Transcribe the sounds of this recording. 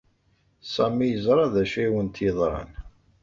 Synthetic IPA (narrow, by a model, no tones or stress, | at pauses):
sˤæmːijəzˤɾˤɑðæʃæiwənt̪jəðˤɾˤɑ̰n